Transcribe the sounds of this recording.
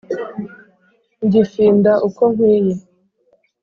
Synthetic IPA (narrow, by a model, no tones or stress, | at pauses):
ɲɟifiːndaʔukoŋwiːje